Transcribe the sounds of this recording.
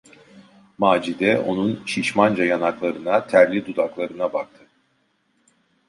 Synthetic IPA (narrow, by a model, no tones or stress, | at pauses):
maːd͡ʒid̪ɛʔo̞nunʃiʃmand͡ʒajanaklˠaɾɯnat̪ʰæɾlʲid̪ud̪aklˠaɾɯnabak̚t̪ʰɯ